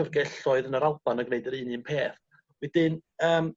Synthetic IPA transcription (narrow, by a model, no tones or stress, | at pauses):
ərɡɛɬɔɨðənəɾalˠb̥anəɡneɨdəɾɨːniənpʰeːθ | wɛdɪnəːm